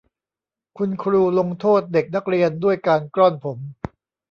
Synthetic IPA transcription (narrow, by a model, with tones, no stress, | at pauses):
kʰu˧nkʰɾuː˧lo˧ŋt̪ʰoː˥˩t̪̚de˨˩k̚na˦˥k̚ɾi˧əndu˥˩əjkaː˧nkɾɔ˥˩npʰo˩˦m